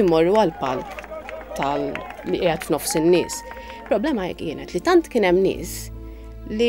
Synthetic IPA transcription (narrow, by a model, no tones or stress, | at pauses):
mɔrːuɐlpɐlkt̪ɐliʔɪjɛt̪fnɔfsɪnːɪ̰ːs | pɾɔblɛːmɐɛ̰kːjɪːnɛt̪lit̪ɐnt̪kɪːnɛmːnɪ̰ːs | li